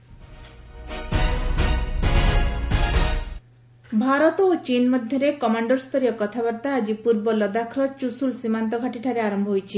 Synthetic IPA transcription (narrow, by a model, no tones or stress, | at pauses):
bʱaɾɔt̪ot͡ʃinmɔd̪ʱjɔɾekɔmaɳɖɔɾst̪ʰɔɾijɔkɔt̪ʰaβaɾt̪aːd͡ʒipuɾbɔlɔd̪akʰɾɔt͡ʃusulsimant̪̬ɔɡʱaʈiʈʰaɾeaɾɔmbʱɔɦojt͡ʃʰi